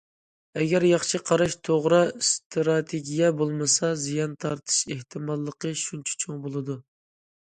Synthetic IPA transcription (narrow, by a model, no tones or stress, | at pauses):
ɛɡʲɛɾjɑχʃʰɨqʰɑɾɑʃt̪ʰoʁɾɑst̪ʰɾɑt̪ʰeɡʲijɛbolˠmɨsɑzijɑnt̪ʰɑɾt̪ʰɨ̥ʃeht̪ʰɨmɑlˠːəqʰəʃunt͡ʃʰɛ̥t͡ʃʰoŋbolˠɨd̪u